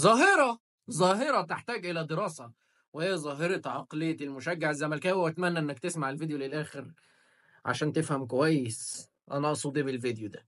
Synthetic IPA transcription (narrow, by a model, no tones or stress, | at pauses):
zˤɑːɦeɾˤɑ | zˤɑːɦeɾˤɑt̪eħt̪æːɡʔelæd̪eɾɑːsæ | wehejːæzˤɑːɦeɾˤɑt̪ʕɑqlejːæt̪elmʊʃæɡːeʕezːæmælkæwæwæt̪mænːæʔenːækt̪esmaʕelvid̪jolelʔæːxeɾ | ʕa̰ʃæːnt̪efhæmk̬owæjːes | ʔænæʔɑsˤuːd̪iːmelvid̪jod̪æ